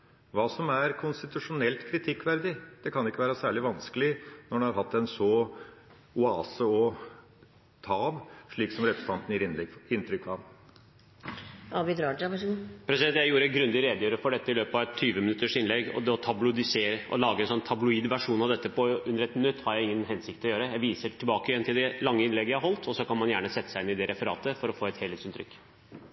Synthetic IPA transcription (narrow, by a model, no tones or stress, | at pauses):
ʋɑːsɔmæɾkʰʊnst̪ɪt̪ʉʂʊnɛlt̪kʰɾɪt̪ʰɪkːʋæɾd̪ɪd̪̥ɛkʰɑnɪkːəʋæːɾəsæːɭɪʋɑnskəlɪnɔɖɛhɑɾhɑt̪ːɛnsɔ | ʊɑ̰ːsəɔ | t̪ʰɑːʋʂɭiːksɔmɾɛpɾəst̪ʰɑnt̪njɪɾɪnt̪ɾʏkːɑ | ɑbɪd̪ɾɑːɖɑʋɑɡupʰɾɛsɪd̪ɛnt̪jæɪjuːɾəɛɡɾʉnd̪ɪɾeːd̪əjøːɾəfɔɖɛt̪ːəɪløːpɑʋɛt̪ʰːyːʋəmɪnʉt̪ːəʂɪnlɛɡːɔ̰d̪ɛɔt̪ʰɑblʊd̪ɪseːɾəʔɔ̰lɑːɡəɛnsɔnːt̪ʰɑblʊiːd̪ʋæʂuːnɑʋd̪ɛt̪ːəpʰɔʉnːəɾɛt̪nʏt̪ːhɑɾjæɪɪŋːənɦɛnsɪk̚t̪ɔjøːɾəjæɪʋiːsəʈʰɪlbɑːkəjɛnt̪ʰɪld̪ɛlɑŋːəɪnlɛɡːjæhæɾɦɔlt̪ʰɔsːɔkɑnmɑnjæːɳəsɛt̪ːə̥sæɪɪnɪd̪ɛɾʔɛfəɾɑ̰ːt̪əfɔɾɔfoːɛt̪heːleːt̪sɪnt̪ʰɾʏ̰kː